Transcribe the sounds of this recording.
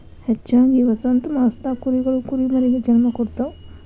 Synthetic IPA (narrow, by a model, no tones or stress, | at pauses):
hɐt͡ʃːt͡ʃaːŋɡiʋɐsɐnt̪umaːst̪akuɾiɡɐɭukuɾimɐɾiɡed͡ʒɐnmɐkɔɽt̪aw